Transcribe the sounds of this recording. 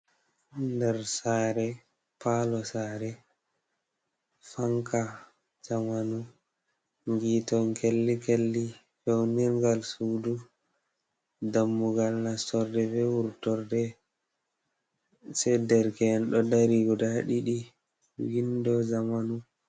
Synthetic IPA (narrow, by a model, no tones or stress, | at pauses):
ndɛɾsaːɾɛ | palɔsaːɾɛ | faŋka | d͡ʒamanu | ŋɡiːtɔŋkelːikelːi | fewniɾŋɡalsudu | damːuɡalnastɔɾdɛvɛwuɾtɔɾdɛ | sɛdɛɾkɛnɗɔdaɾiɡɔdaɗiɗi | windɔd͡ʒamanu